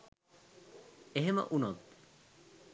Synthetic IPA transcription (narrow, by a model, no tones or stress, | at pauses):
eɦemə̰ʔunod̪